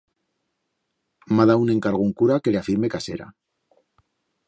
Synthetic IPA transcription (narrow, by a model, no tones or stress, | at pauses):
maðaune̞ŋkaɾɣuŋkuɾake̞leafiɾme̞kase̞̰ɾa̰